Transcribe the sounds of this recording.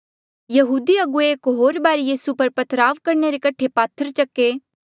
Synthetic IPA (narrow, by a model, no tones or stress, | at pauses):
jɐɦuːd̪iɐɡueeːkɦoːɾbaːɾijiːsupɐɾpɐt̪ʰɾaːʋkɐɾneɾekɐʈʰepaːt̪ʰːəɾt͡ʃɐkːeː